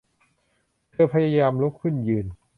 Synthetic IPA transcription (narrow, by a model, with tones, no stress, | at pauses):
t̪ʰɯː˧pʰa˧jaː˧jaː˧mlu˦˥kʰːɯ˥˩njɯː˨˩n